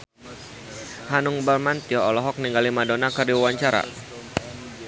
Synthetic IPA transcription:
hanʊŋbalmant̪iɔɔlɔɦɔk̚niŋɡalimadonakərdiwawaɲt͡ʃaɾa̰

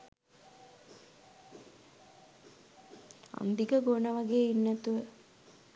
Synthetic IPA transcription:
a̰nd̪ikəɡoːnəʋaɡeːinːæt̪uʋə

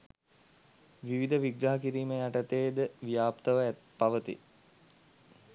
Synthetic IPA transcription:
ʋiʋid̪əʋiɡɾaɦɐkiɾiːməjaʈət̪eːd̪əʋijaːpt̪ɐʋəæt̪̚paʋət̪ḭ

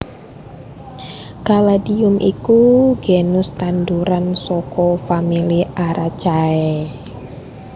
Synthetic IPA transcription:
kaladiʊmʔḭkuɡ̥enʊst̪and̪uɾansɔkɔfamiliʔaɾat͡ʃaɛ

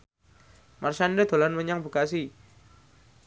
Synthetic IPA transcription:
mʔarʃandəd̪̥o̤lanməɲaŋbukasi

